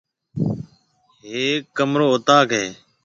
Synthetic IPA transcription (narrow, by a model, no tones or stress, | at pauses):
ɦeːkːəmɾoːʊt̪aːkɦeː